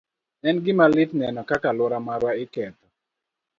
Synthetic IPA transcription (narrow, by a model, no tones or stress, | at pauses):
ɛnɡɪmalɪt̪nɛnɔkakalwɔɾamaɾwaɪkɛt̪ɔ